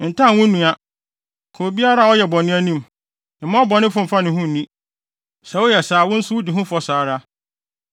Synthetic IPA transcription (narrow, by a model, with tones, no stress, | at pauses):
n̩˨tʰã˦˨wʊ̃˦nũ˨a˨ | kʰo˨bi˦a˦ɾa˦˨ɔ˦jɛ˨bɔ̃˨nɪ̃˦æ˦nĩ˦m | ɪ̃˨˦mã˦ɔ˦bɔ˨nɪ̃˦fʊ̃˦m̩˨fa˦nɪ̃˨hũ˦n̩˨nĩ˦ | sɛ˨wʊ˦jɛ˨saː˨wʊ̃˦n̩˦sʊ˦ʊ˦dɪ˨ɦʊ̃˦fɔ˨saː˨ɾa˦